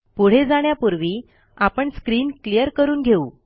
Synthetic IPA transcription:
puɽ̤ed͡zaɳ̃japuɾʋiː | apəɳskɾiːnklijəɾkəɾuːnɡʱeuː

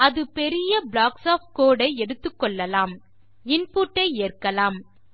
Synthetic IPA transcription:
ɐðɯpɛɾɪjɐblaːksaːfkoːɽɐɪɛɽɯt̪ːɯkːɔɭːɐlaːm | ɪnpuːʈːɐɪeːrkɐlaːm

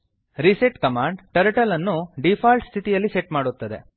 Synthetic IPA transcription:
ɾiseʈkɐmaːɳɖʈɐɾʈɐlɐnːuɖipʰaːlʈst̪ʰit̪ijɐlːiseʈmaːɽut̪ːɐd̪ḛ

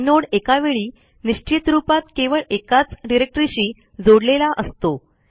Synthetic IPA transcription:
noɽekaʋeɭiː | niɕt͡ɕit̪ɾupat̪keʋəɭekat͡sɖiɾek̚ʈɾiɕiː | d͡zoɽlelaʔəst̪o

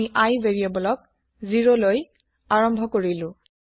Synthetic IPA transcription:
iʔajveɹijɔbɔlɔk̚ | ziɹoloj | aɹɔmbʱɔkoɹilʊ̃

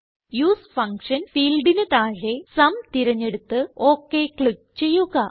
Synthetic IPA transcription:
juːsfɐŋkʂɐnfiːlɖinɨt̪aːɻe̞sɐmt̪iɾɐɲːe̞ɽut̪ːɨo̞ːkːe̞kɭik̚t͡ɕe̞jːuɣɐ

